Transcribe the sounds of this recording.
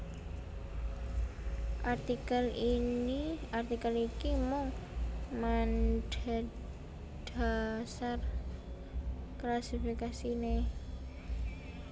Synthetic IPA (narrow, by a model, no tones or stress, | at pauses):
ʔart̪ikaliiart̪ikəlikimʊŋmanda | d̥asar | klasifikasine